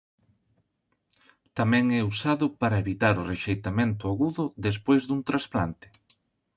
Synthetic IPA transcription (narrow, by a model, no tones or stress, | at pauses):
t̪amɛ̃ŋɛusaðʊpaɾɐeβit̪aɾʊreʃejt̪amẽnt̪ʊaɣuðʊðes̬pojzðuŋt̪ɾaspla̰nt̪ɪ̥